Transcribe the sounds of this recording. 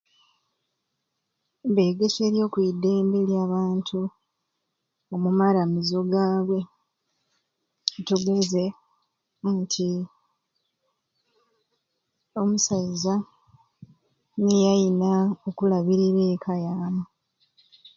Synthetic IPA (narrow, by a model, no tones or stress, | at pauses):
be̞ːɡese̞ɾjo̞ːkwide̞ːmbeljaːβaːntʰu | omumaɾamizo̞ɡaːβwe̞ | tuɡe̞ze̞ | ntʰi | o̞musaza | nejajinaokulaβiɾiɾeːkʰajaːmu